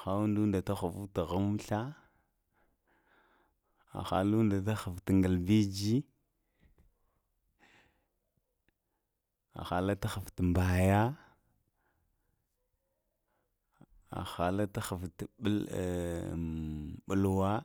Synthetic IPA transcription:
xa˦wu˦ndu˦nda˨ta˦xu˨fu˦ta˨ɣa˦m˦ɬa˦ | a̰˨xa̰˨lu˦nda˨ta˦xa˨ftŋɡə˨lbi˦d͡ʒi˦ | a̰˨xa˨la˦ta˦xa˨fta˨mba˨ja˦ | a̰˨xa˨la˦ta˦xa˨ftɓə˦l | ɓu˦lwa˦

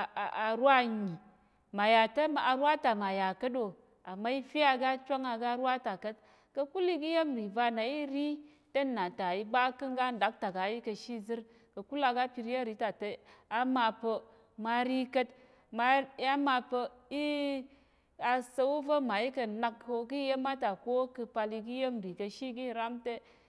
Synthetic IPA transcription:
a˨ɾwa˦˨ɲi˨ | ma˨ja˨tɐ˦˨a˨ɾwa˦ta˨ma˨ja˨kə˦do˨ | a˨ma˦i˦fi˦a˦ɡa˦t͡ʃʷa˦ŋa˧ɡa˧˦ɾwa˦ta˨kə˦t̚ | kɐ˧ku˦li˦ki˦je˦mɾi˨va˧na˨i˦ɾi˦ | tɐ˦na˨ta˨i˧ɡ͡ba˦kɨ˦ŋ˦ɡa˦n̩˨da˨˦k̚ta˨ɡa˨˦i˦kɐ˧ʃi˦zɨ˦ɾ | kə˨˧ku˦la˧ɡa˦pʲi˧ɾi˦a˦˨ɾi˨˦ta˨te˧a˦ma˧pə˧ | ma˧ɾi˦kə˧t | ma˧˦a˦ma˧pə˧i˦ | a˧sə˧u˦və˦ma˨i˦kɐ˧na˧kːo˧ki˦je˦ma˦ta˨ko˦kɨ˧pa˧li˧ɡi˦je˦mɾi˨kə˧ʃi˦ɡi˦˨ɾa˦mte˦

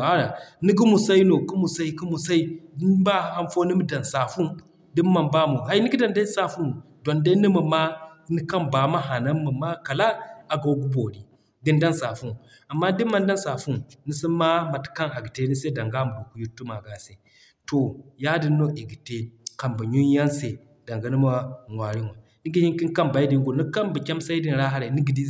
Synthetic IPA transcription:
a˦ɾa˨ni˦ɡi˦mu˨sa˦i˦no˨ku˦mu˨sa˦i˦ki˦mu˨sa˦i˦ba˦˨a˦nfo˦ni˦mi˦da˨nsa˨fu˦ | di˦mː˦a˨mba˦mu˨ɦa˦i˦ni˦ɡi˦da˨nda˦sa˨fu˦n˨ | do˨nda˦ni˦mə˨ma˦ni˦ka˦nba˨ma˦ɦa˨na˦mmːə˨ma˦ka˨la˦a˨ɡa˨˦ɡu˦bo˨ɾi˨ | ɡi˦nda˦nsa˨fu˦˨ | a˨mːa˦di˦mːa˦n˦da˦nsa˨fu˦˨ni˦si˦ma˦ma˨tka˦na˨ɡi˨te˦ni˦se˦da˨ŋɡa˦mu˨ɡo˨ku˨˦ji˦tːu˦ma˨ɡa˨se˨ | to˨ja˦di˦nːo˦ʔi˨ɡi˨te˦ka˨mba˨ɲu˦ja˦nse˨ | da˨ŋɡa˨˦ni˦ma˦˨ŋʷa˨ɾi˦nwa˨ | ni˦ɡi˦hi˦ki˦ŋ˦ka˦mba˨i˦di˨˦ŋ˦ɡo˨ni˦ka˦mba˨kʲa˦msa˦i˦di˨n˨ɾa˦ɦa˦ɾa˨ni˦ɡi˨di˦

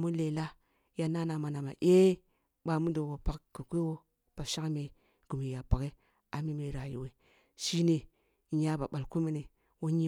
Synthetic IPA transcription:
mu˦le˨la˦ | ja˨na˦na˨ma˨na˨ma̰˨ʔe˦ | ɓa˨mu˦do˨wo˨pa˦kku˨kʷe˦wo˦ | b̥a˨ʃa˦kme˨ | ɡ̥u˨mi˨ja˨pa˨ke˦ | a˨mi˦me˨˦ɾa˨jḭ˨we˨ | ʃi˦ne˨ | ɲa˦ba˨ɓa˨lku˦mi˦ne˨ | wo˦ɲi˦

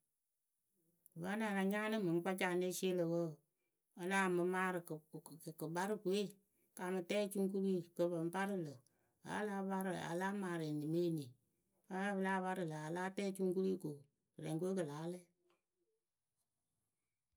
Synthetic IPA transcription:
va˦na˨ɾa˨ɲa˦nɨ˦mɨ˨ŋ˦k͡pa˦d͡ʒa˨ne˦si˦e˦lə˨wə˦˨ | a˨laː˦˨mə˨˦maː˦ɾɨ˨kə˨ba˦ɾɨ˦ku˨e˦ | ka˨mɨ˨tɛː˦t͡ʃu˦ŋ˦ku˦ɾi˦kə˨bə˨m˦pa˦ɾɨ˦lə˨ | a̰˨˦la˦ba˦ɾɨ˨a̰˨la˦maː˨ɾe˨ni˨me˦˨ni˨ | a˨˦la˦bə˦laː˦ba˦ɾɨ˨lə˨a˨la˦tɛː˦t͡ʃu˦ŋ˦ku˦ɾi˦ko˨ | ɾɛ˨ŋkʷe˦k̬ə˨laː˨˦le˦

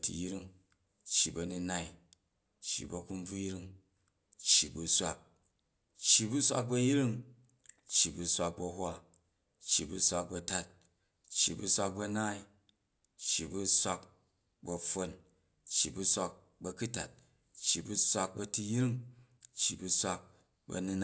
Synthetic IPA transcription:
tḭ˨ji˦ɾi˦ŋ | t͡ʃːi˨bɐ˨ni˧na˦i˦ | t͡ʃːḭ˨bɐ˨ku˦m˦b͡vu˦ji˦ɾi˦ŋ | t͡ʃːi˨bu˨sʷa̰˦k̚ | t͡ʃːi˨bu˦sʷa̰˦k̚bɐ˦˧ji˦ɾi˦ŋ | t͡ʃːi˨bu˧sʷa˧k̚bɐ˧ɦwʷa˦ | t͡ʃːi˨bu˦sʷa˧k̚bɐ˧ta˦t̚ | t͡ʃːḭ˨bu˦sʷa˧k̚bɐ˧na˦i˦ | t͡ʃːi˨bu˦sʷa˦k | bɐ˨ɸo˦n | t͡ʃːi˨bu˦sʷa˧k̚ | bɐ˦˧ku˦ta̰˨t̚ | t͡ʃːi˨bu˦sʷa˧k̚bɐ˧tu˦ji˦ɾi˦ŋ | t͡ʃːi˨bu˧sʷa˧k̚ | bɐ̰˧nu˧n˦

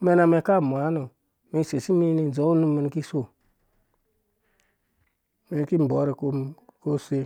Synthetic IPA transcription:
me˨˧na˨me˨ka˦˨m˨a˨˦no˨ | me˨se˨si˦mi˦ni˨zo˨˦u˦nu˦mi˨n˨ki˦so˦˨ | me˨n˨˦ki˦m˨bɔ˨˦ɾe˨ko˦ko˦˨se˦

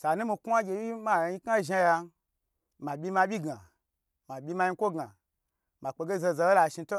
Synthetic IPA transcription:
sa˨nũ˦mi˧ku˦a˦ɡʲe˧bi˦ma˦˨jɲi˧ka˦ʒa˧ja˧ | ma˨bʲi˧ma˧bʲi˦ɡa˨ | ma˨bʲi˧ma˧ji˧˦kʷo˦ɡa˨ | ma˨k͡pe˧ɡe˦ze˧za˧˦o˦la˧˨ʃi˧to˦

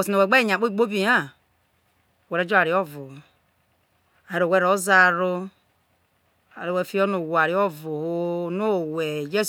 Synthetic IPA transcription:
o˨si˨no˨we˨ɡ͡be˦˨ɲa˨k͡po˦i˨ɡ͡bo˦bi˨˦a˦˨ | we˨ɾo˦d͡ʒo˦a˨ɾi˨˦o˦vu˨ | a˨e˨ɾo˨we˦ɾo˦za˦ɾo˦ | a˨ɾo˨we˦˨fi˦o˦nu˨wa˨ɾi˨˦o˦vu˨ho˦no˦˨we˨d͡ʒe˦

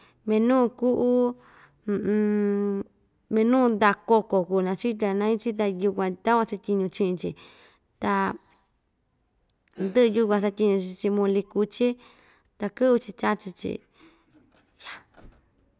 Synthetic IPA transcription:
mẽ˧nũ˦˧ku˦ʔu˦˧ | mẽ˧nũː˦˧nd̪a˧ko˧ko˨ku˧˨˧nã˧t͡ʃi˦t̪a˧nã˧˦ĩ˦t͡ʃi˦t̪̬a˧ju˧kʷã˧t̪a˦kʷã˧t͡ʃa˧t̪ʲi˧ɲũ˧t͡ʃĩ˧ʔĩ˧t͡ʃḭ˧ | t̪a˧ | nd̪ɨ˦ʔju˧kʷã˧sa˧t̪ʲi˧ɲũ˧t͡ʃi˧t͡ʃi˧mõ˧li˧ku˧t͡ʃi˦ | t̪a˧kɨ˦βu˧t͡ʃi˧t͡ʃa˦t͡ʃi˧t͡ʃḭ˧ | ja˨

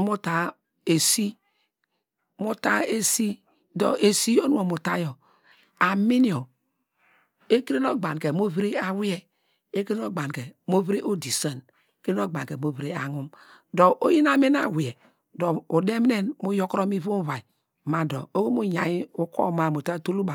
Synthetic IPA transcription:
mu˦ta˨ | e˨si˦ | mu˦ta˦e˦si˦ | do̰˨e˨si˦o˦nu˦o˨mu˨ta˦jo˨ | a˨mi˦ni˦o˨ | e˦ki˦ɾe˦no˦ɡ͡ba˨n˨ke˨mo˦vi˦ɾi˦a˨wi˦ɛ˦ | e˦ki˦ɾe˦no˦ɡ͡ba˨n˨ke˨mo˦vi˦ɾi˦ʔo˦di˨sə˦˨n˦ | ki˦ɾe˦no˦ɡ͡ba˨ke˨mo˦vi˦ɾe˦a̰˨ŋu˦m | do˨ʔo˦ji˦na˦me˦na̰˨wi˨ɛ˨ | do˨u˨de˦m˦ne˦nmu˦jo˦kɾo˦mi˦vu˦va˨i˨ | ma˨do̰˨o˦wo˦mu˦ja˨ji˦u˦ko̰˦˨ma˨mo˨ta˦tu˦lu˦ba˨

